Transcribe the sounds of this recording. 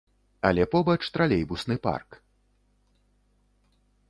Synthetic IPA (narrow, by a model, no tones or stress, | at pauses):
alʲɛpɔbɐt͡ʂt̪ɾalʲɛjbusnɨpa̰rk